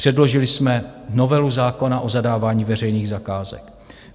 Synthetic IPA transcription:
r̥ɛdlo̞ʒɪlɪsmɛno̞vɛluzaːko̞naʔo̞zadaːvaːɲiːvɛrɛjniːɣzakaːzɛ̰k

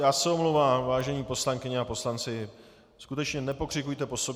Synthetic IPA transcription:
jaːsɛomlowvaːmvaːʒɛɲiːpo̞slaŋkɪɲɛapo̞slant͡sɪ | skut̪ɛt͡ʃɲɛnɛpo̞kr̝̥ɪkujt̪ɛpo̞sob

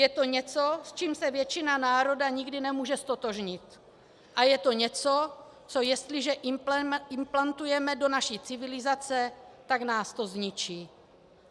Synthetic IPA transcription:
jɛt̪o̞ɲɛt͡so̞st͡ʃiːmsɛvjɛt͡ʃɪnanaːɾo̞daɲɪɡdɪnɛmuːʒɛst̪o̞t̪o̞ʒɲɪt̪ | ʔajɛt̪o̞ɲɛt͡so̞ | t͡so̞jɛst̪lɪʒɛʔɪɪmplant̪ujɛmɛdo̞naʃit͡sɪvɪlɪzat͡sɛt̪aɡnaːst̪o̞zɲɪt͡ʃiː

